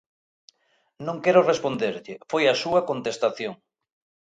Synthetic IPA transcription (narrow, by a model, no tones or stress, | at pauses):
nõŋkɛɾʊrespond̪eɾʎɪfojɐsuɐkont̪est̪aθjoŋ